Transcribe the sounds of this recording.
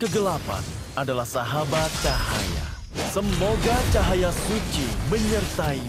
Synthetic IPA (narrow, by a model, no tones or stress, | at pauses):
kəɡəlapa̰n | adalahsaɦabat̪̚t͡ʃaɦa̰ja̰ | səmoɡat͡ʃaɦajasut͡ʃiməɲərt̪ai